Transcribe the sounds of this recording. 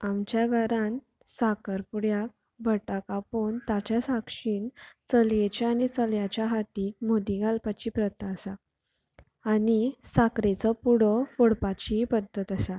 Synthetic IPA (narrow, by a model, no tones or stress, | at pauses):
amt͡ɕjaɡʱaɾan | sakəɾpuɽjak̚ | bʱəʈakapont̪at͡ɕjasakʂiːnt͡səljet͡ɕaanit͡səljat͡ɕjaɦat̪iːk̚mod̪iɡalpat͡ɕiːpɾət̪ːaːsaː | nisakɾet͡səpuɽ̤əfoɽpat͡ɕipəd̪ʱət̪əsa